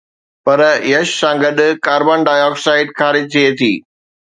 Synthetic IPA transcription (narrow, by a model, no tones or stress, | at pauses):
pɐɾjɐʃsãːɡɐɗʊkaːɾbaːnɖaːjɔːksaːɪɖxaːɾɪd͡ʑt̪ʰiet̪ʰiː